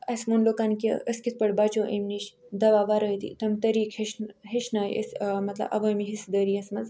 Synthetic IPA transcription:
ɐsmunlokankiəskit̪̚pəɽbat͡ʃoʔemniɕd̪ɐʋaʋaɾəjt̪ḭt̪ɐmt̪əɾiːkʰheɕnɦeʃnajḛsmɐt̪lɐ̰bʔɐ̰ʋəmiɦisd̪əɾiɐsmɐz

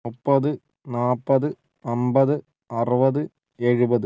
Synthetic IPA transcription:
mupːɐðɯ | naːpːɐðɯ | ɐmbɐðɯ | ɐrɯbɐðɯ | eɻubɐðɯ

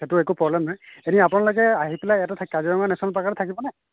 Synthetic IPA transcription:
etuɛkupɹɔblɛmnɔjeniapɔnalɔɡɛaɦipelajatatʰakaziɹɔŋɡanɛsɔnalpakaɹɛtʰakibɔnɛ

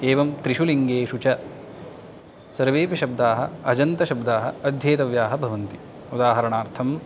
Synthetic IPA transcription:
eːʋɐmt̪ɾiʃuliŋɡeːʃut͡ʃɐ | sɐɾʋeːpɐʃɐb̚d̪aːɦɐ̰ɐd͡ʒɐnt̪ɐʃɐbd̪aːɦɐɐd̪ʱjeːt̪ɐʋjaːɦɐbʱɐʋɐnt̪i | ud̪aːɦɐɾɐɳaːɾt̪ʰɐm

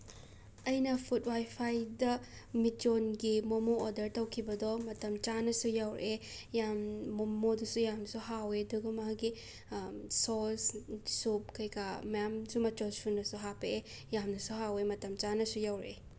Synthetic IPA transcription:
ɐjnɐpʰut̚wajpʰajdɐ | mit͡ʃonɡimomoːdɐɾtɐwkʰibɐdɔmɐtɐmt͡ʃanɐsujawɾʔejamːomodusujamnɐsuɦaweduɡɐmaaɡi | sɔlssup̚kɐjkʰamɐjamsumɐt͡ʃosunːɐsuɦapee | jamnɐsuɦawemɐtɐmt͡ʃanɐsujawɾḛ

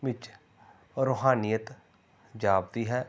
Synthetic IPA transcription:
ʋɪt͡ʃ | ɾoːɦaːnijət̪ | d͡ʒaːbd̪iːɦɛː

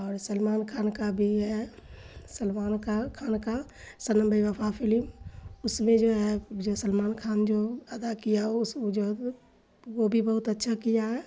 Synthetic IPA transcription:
ɔːɾsəlmaːnkʰaːnkabʱiɦɛ | səlmaːnkakʰaːnka | sənə̃mbəiʋəpʰapʰɪlmʊsmẽd͡ʒoɦɛd͡ʒosəlmaːnkʰaːnd͡ʒoəd̪akijaʊsd͡ʒo | ʋobʱibəɦʊt̪ətːʃʰakijaɦɛ

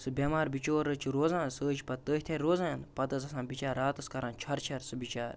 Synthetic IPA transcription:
sɨbʲɐmaːɾbit͡ʃoːɾət͡ʃʰiɾoːzãːnsəːd͡ʒpɐt̪t̪ːəːɦt̪ʲʰaɾoːzãjanpɐt̪ɐt͡sɐsãːnbit͡ʃaːɾaːt̪ɨskɐɾãːnt͡ʃʰɐɾt͡ʃʰɐɾsɨbit͡ʃa̰ːɾ

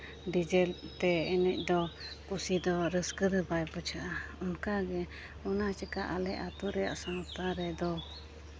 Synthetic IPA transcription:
ɖid͡ʒɛlt̪ɛɛnɛc̚ˀd̪ɔkusid̪ɔɾəskəd̪əbajpɔt͡ʃʰaʔaunkaɡɛ | unat͡ʃəkaʔalɛʔat̪uɾɛja̰ʔsaŋt̪aɾɛd̪ɔ

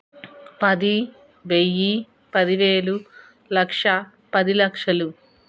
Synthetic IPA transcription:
pɐd̪i | ʋejːi | pɐd̪iʋeːlu | lɐkʂɐ | pɐd̪ilɐkʂɐlu

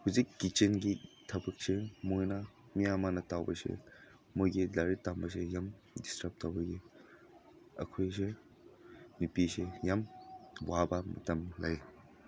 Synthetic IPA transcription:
huzikːit͡ʃenɡitʰɐbɐk̚semojnɐ | mijamanɐtawbɐ̰sḛ | mojɡilaɾitːambɐs̬ejam | distɾɐp̚tawbɐɡi | ɐ̰kʰojse | nipisejamwabɐmɐ̰tɐmlaj

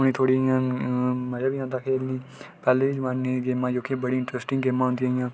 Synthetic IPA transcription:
ʊñiːt̪ʰoːɽiːjãːməd͡ʒaːbiːãːnd̪aːkʰeːlniːpɛːleːiːd͡ʒmaːnːeːɡeːmãːd͡ʒoːkibəɽiːɪ̃ɳʈɾɛːsʈɪ̃ŋɡɡeːmãːɦʊ̃nd̪iaːijãː

